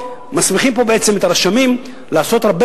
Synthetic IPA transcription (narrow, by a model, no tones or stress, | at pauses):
masmiχimpo̞beet͡se̞met̪aʁaʃamim | laːso̞t̪ʁab